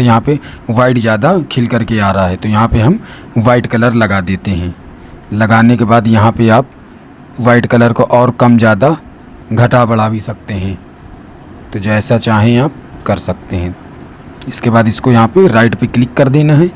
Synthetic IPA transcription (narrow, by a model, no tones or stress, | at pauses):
jɐɦãpeʋaːɪɖzjaːd̪akʰɪlkɐɾkeaːɾɐɦaɦɛt̪ojɐɦãpeɦɐm | ʋaːɪʈkɐləɾlɐɡad̪eːt̪eɦɛ̃ː | lɐɡaːnekebaːd̪jɐɦãpeaːp̚ | ʋaːɪʈkɐləɾkoʔɔːɾkɐmd͡ʒjaːd̪a | ɡʱɐʈabɐɽ̤aːwisɐk̚t̪eɦɛ̃ | t̪od͡ʒɛːsat͡ʃaːɦẽaːp̚kɐɾsɐk̚t̪eɦɛ̃ | ɪskebaːd̪ɪskojɐɦãpeɾaːɪʈpeklɪkːɐɾd̪eːnaɦɛː